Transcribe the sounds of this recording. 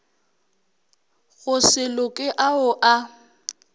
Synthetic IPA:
ɣʊsɪlʊkʼɪʔaʊʔa

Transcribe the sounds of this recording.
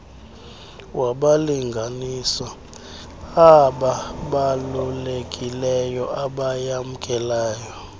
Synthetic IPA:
waɓaliŋɡʱanisɔ | aɓaɓalulekʼilɛjɔaɓajamukʼɛlaːjɔ

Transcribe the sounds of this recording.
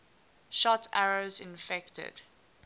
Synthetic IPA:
ʃɔtʰaɹozɪ̃nfɛktə̰d̥

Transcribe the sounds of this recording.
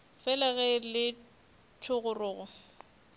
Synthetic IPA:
fɛlaɣɛlɪ | tʰʊɣʊrʊːɣʊ

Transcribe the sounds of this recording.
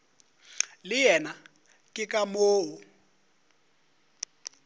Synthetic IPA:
lɪjɛna | kʼɪkʼamoːɦʊ

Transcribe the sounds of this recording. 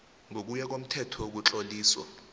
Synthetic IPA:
ŋʱok̬ʼujak̬om̩tʰɛtʰɔk̬ut͡ɬʼoliːswɔ̰

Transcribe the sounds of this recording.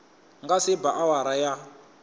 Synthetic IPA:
ŋɡasebaʔawaɾaja

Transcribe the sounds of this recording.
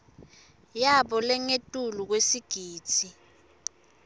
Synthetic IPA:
jaɓɔlɛŋetʼuluk̬wesiɡ̥ʱiːt͡sʰi

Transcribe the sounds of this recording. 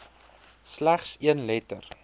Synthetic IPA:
slæχsiənlɛtər

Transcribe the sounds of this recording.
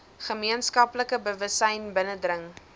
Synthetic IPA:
χəmiənskɐpləkəbəvəsɛjnbənədrəŋ

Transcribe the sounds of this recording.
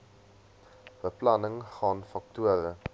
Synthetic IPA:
b̥əplɐnəŋχɑːnfɐk̚tuəɾə

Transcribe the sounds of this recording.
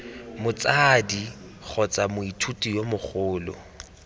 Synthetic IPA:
mʊt͡sʼadik͡xʰɔt͡sʼamʊitʰutʼijomʊk͡xʊːlɔ̰

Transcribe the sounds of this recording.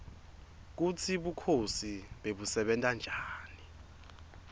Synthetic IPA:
k̬ut͡sʰiɓukʰosiɓeɓusɛɓɛntʼand͡ʒʱaːni

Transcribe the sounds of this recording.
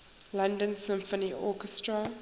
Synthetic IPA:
lãndə̃nsɪ̃mfəniʔɔkɛstɹə

